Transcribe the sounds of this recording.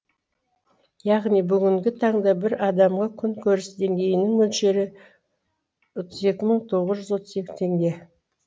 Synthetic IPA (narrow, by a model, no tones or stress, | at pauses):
jɑʁnijbʏɡʲɪŋɡʲɪt̪ʰɑɴd̪ɑbɪɾɑd̪ɑmʁɑkʲʰʏŋkʲʰɵɾɪsd̪e̞ŋɡʲe̞jɪnɪŋmɵlʃe̞ɾɪ | ot̪ʰəze̞kʲɪməɴt̪ʰo̞ʁəzʒʏzwo̞t̪ʰəze̞kʲɪ̥t̪ʰe̞ŋɡʲe̞